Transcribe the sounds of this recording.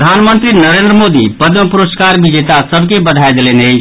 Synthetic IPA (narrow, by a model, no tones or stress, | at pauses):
əd̪ʱanmənt̪ɾinəɾend̪ɾəmod̪ipəd̪məpuɾoskaɾbid͡ʒet̪asəbʱkebəd̪ʱajd̪elenəj